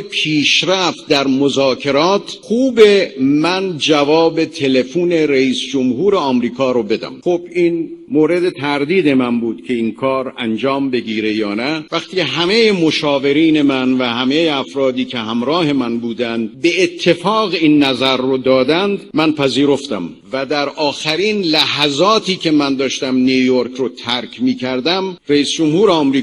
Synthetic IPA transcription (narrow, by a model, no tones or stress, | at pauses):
pʰiːʃɾæft̪̚d̪æɾmozɒːkʰe̞ɾɒːt̪ʰxuːbemænd͡ʒævɒːbe̞t̪ʰe̞le̞fuːne̞ɾeiːsd͡ʒomɦuːɾeɒːmɾiːkʰɒːɾobe̞d̪æ̰mχob̥iːnmoːɾe̞d̪e̞t̪ʰæɾd̪iːd̪e̞mænbuːd̪̥cʰe̞inkʰɒːɾænd͡ʒɒːmbe̞ɡiːɾe̞jɒːnævæxt̪iːceɦæme̞jemo̞ʃɒːve̞ɾiːne̞mænvæhæmejeæfɾɒːd̪iːkʲʰe̞ɦæmɾɒːhe̞mænbuːd̪ænd̪̚beːt̪ʰːe̞fɒːɣinːæzæɾːod̪ɒːd̪ænd̪mænpʰæziːɾo̞ft̪æm | væd̪æɾʔɒːxæɾiːnlæhæzɒːt̪ʰiːkʰe̞mænd̪ɒːʃt̪æmniujoɾkʰɾot̪ʰæɾkʰmiːkʰæɾd̪æmreiːsd͡ʒomhuːɾeɒːmɾiː